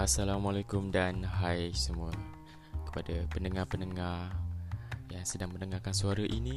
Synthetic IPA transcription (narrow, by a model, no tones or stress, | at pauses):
asalamalakʊmdanɦajsəmua | kə̥padapənəŋahpənəŋar | jaŋsədaŋmənəŋakansuaɾaʔini